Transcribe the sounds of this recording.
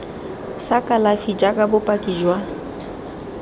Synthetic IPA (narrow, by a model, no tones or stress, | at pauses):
sakʼalafid͡ʒakʼabʊpʼakʼid͡ʒwa